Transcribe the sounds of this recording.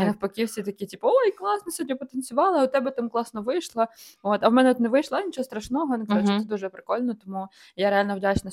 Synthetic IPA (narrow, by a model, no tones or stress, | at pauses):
nɐwpɐkʲiwsʲit̪ɐkʲitʲipɐoiklˠɑsnɔsʲɔdʲɔpɔt̪enʲsʲʊʋɑlˠɐʊt̪ɛbɛt̪amklˠɑsnɔʋɪjʃlˠɐot̪ɐwmɛnɛɔt̪nɛʋɪjʃlˠɐnʲit͡ʃɔɦɔst̪ɾɐʃnɔɦɔjnɪkazt͡ʃt̪ɛd̪uʒɛpɾɪ̥kɔlʲnɔɔt̪ɔmu | jaɾealʲnɐwdʲasʲnɐ